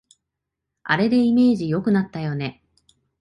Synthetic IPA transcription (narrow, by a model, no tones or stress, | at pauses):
a̰ɾe̞d̪e̞ime̞ːʑijo̞kɯ̟nat̪ːajo̞ne̞